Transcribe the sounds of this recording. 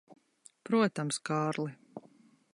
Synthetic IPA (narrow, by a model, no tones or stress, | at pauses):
pɾuɔt̪amskaːɾlˠi